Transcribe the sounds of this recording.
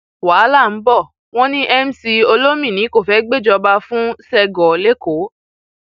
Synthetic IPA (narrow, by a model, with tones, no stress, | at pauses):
wa˨˦la˦˨m̩˨˦bɔ˦˨ | w̃ɔ̃˦nĩ˦ʔɛ˦m̩˦si˧o˧lo˦mĩ˦˨nĩ˨˦ko˦˨fɛ˨˦ɡ͡be˦˨d͡ʒɔ˧ba˧fũ˦sɛ˧ɡɔ˨le˦ko˨˦